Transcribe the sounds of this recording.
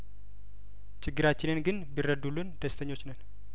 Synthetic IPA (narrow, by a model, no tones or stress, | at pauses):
t͡ʃʰɪɡːɨɾat͡ʃːɪnɨnɡɨnbirːəd̪ulːund̪̥əst̪ʰəɲːo̞t͡ʃːnən